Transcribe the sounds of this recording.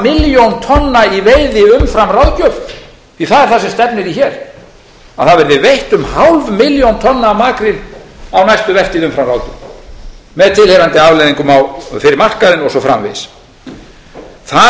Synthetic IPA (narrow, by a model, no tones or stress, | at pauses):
mɪljont̪ʰɔnːaiveːjðɪʏmfɾamrawðcœv | θiθaðɛɾθasɛmst̪ɛpnɪɾiçɛɾ̥ | aθaðvɛɾðɪvejht̪ʏmhawlvmɪljownt̪ʰɔnːaːmaːkɾɪnawnajst̪ʏvɛr̥t̪iðʏmfɾamrawcʏ̰ | mɛðt̪ʰɪlhejɾant̪ɪavlejðiŋkʏmawfɪɾɪɾmar̥kaɾɪnɔɣsɔfɾa̰mvɪ̰ðs | θa